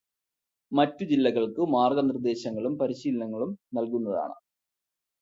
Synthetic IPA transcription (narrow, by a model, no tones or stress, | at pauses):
mɐtːud͡ʑilːɐɣɐɭkɨmaːrɡɐnrd̪e̞ːɕɐŋːɐɭumpɐɾiɕiːlɐnɐŋːɐɭumnɐlkunːɐða̰ːɳɨ̰